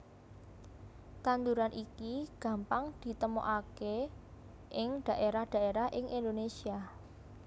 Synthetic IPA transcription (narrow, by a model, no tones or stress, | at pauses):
kand̪uɾanʔikiɡ̥ä̤mpaŋd̪̥i̤t̪əmo̰ʔake | ʔɪŋd̪̥ä̤ʔeɾahd̥ä̤eɾahʔɪŋʔind̪onesia